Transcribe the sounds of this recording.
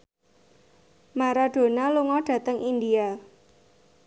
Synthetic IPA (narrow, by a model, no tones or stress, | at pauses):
maɾaɖ̥o̤naluŋɔɖ̥ä̤t̪əŋʔindia